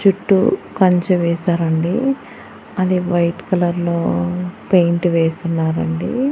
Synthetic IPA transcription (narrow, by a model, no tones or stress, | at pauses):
t͡ʃuʈːṵkɐɲt͡ʃuʋɛːsaːɾɐɳɖi | ɐd̪iʋɐjʈkɐlɐɾlo̞ːpejɳʈʋeːst̪unːaːɾɐɳɖi